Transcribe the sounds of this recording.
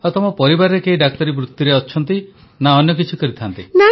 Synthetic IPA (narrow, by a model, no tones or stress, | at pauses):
ɔt̪ɔmɔpɔɾibaɾɔɾekeɦiɖak̚t̪ɔɾibɾut̪ːiɾeɔːt͡ʃʰɔnt̪i | naɔnjɔk̬it͡ʃʰikɔɾit̪ʰant̪ina